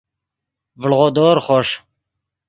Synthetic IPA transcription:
vəlʁod̪oːɾχɔʃ

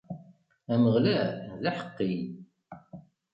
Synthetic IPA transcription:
æməʁlæðaħə̥qːij

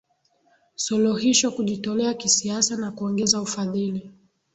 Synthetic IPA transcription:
sɔluhiʃwakuʄitɔlɛakisiasanakuɔŋɡɛzaufaðili

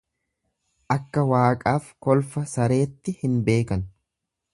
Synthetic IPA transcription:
ʔɐkːɐwaːkʼaːfkɔlfɐsɐɾe̞ːt̪ːɪhɪnbe̞ːkɐn

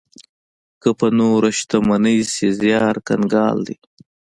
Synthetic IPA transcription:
kəpɐnoːɾɐʃt̪amɐnəjsezjɑːɾkɐ̰nɡɑːld̪ḭ

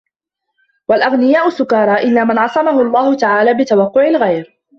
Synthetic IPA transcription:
walʔaɣnɪjaːʔʊsʊkɑɾˤɑːʔɪlːaːmanʕɑsˤɑmahʊɑlˤːɑːhʊt̪aʕaːlaːbɪt̪awɑqːʊʕɪlɣajɾ

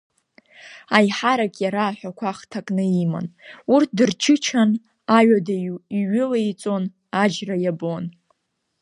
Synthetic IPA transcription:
ajħaɾakʼjaɾaːħʷᶣakʷʰaχtʰakʼnɨima̰nurt̚ʰdɨrt͡ʃʰɨt͡ʃʰan | aɥadaiɥʏlejt͡sʼo̞n | ad͡ʒrajabon

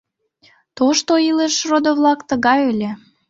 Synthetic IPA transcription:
t̪oʃt̪oileʃrod̪oβlɑkt̪əɣɑjelʲe

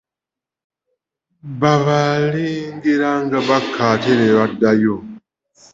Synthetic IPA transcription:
βaβaleːŋɡeɾaŋɡaβakʰːateɾeβadajo

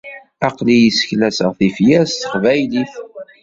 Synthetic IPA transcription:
ɑqlijəsə̥çlæsəʁθifjæst̪ə̥χvæjliθ

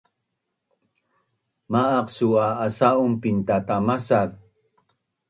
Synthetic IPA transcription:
maːqsuaːsaumpint̪atamasat̚

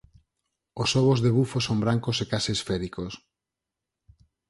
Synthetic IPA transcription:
osoβ̞ozðeβufosombɾaŋkosekaseesfɛɾikos

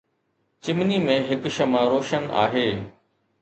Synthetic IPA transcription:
t͡ɕɪmnimẽɦɪkʃɐmãɾoːʃəna̰ːɦeː

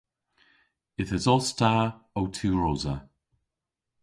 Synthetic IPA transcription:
ɪθəzɔstaːowtʰʉːɹoːzə

